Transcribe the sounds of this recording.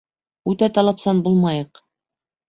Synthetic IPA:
ʉt̪æt̪ɑlˠɑpsɑnbulˠmɑjɤq

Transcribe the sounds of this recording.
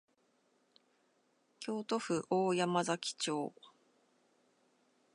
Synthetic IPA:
kʲo̞ːt̪o̞ɸɯ̟ʔoːjamazakʲi̥t͡ɕo̞ː

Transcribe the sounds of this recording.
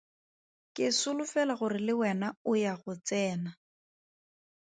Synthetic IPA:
kʼɪsʊlʊfɛlaɣʊrɪlɪwɛnaʊjaɣʊt͡sɛːna

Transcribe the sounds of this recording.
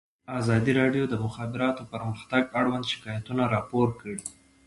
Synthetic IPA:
azɑd̪iɾɑɖjod̪əmʊxɑbɪɾɑt̪opəɾməxt̪aɡaɽwand̪ʃɪ̥kɑjat̪unaɾɑpoɾkəɽi

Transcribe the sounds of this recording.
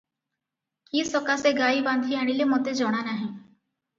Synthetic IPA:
kiːsɔkaseɡaːibãnd̪ʱiaɽ̃ilemot̪ed͡ʒɔɽ̃anaɦẽː

